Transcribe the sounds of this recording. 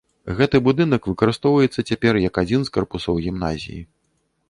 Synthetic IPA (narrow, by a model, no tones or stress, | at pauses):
ɣɛt̪ɨbud̪ɨnɐkvɨkɐɾɨst̪ɔwvɐjɛt̪sːɐt͡sʲapʲɛrjɐkad͡zʲinskarpusɐwɣʲimna̰zʲḭjḭ